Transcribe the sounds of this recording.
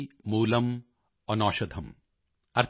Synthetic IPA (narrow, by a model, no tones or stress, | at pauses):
muːlɐm | ɔnɔːʃɐd̪ʱɐm | ɐɾ